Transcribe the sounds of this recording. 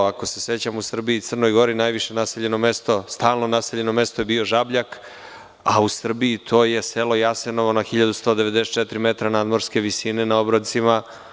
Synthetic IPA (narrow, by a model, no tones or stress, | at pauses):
ako̞se̞se̞t͡ɕamusr̩biiːt̪sr̩no̞jɡo̞ɾinajʋiʃe̞naseʎe̞no̞mest̪o̞st̪aːlˠno̞naseʎe̞no̞me̞st̪ojebio̞ʒabʎak | ausr̩biːt̪ʰo̞ːje̞selo̞jase̞no̞ʋonaxiʎad̪ust̪o̞ːd̪eʋe̞d̪eset̪̚t͡ʃet̪ɾimet̪ɾanad̪mo̞ɾske̞ʋisine̞nao̞bɾot̪sima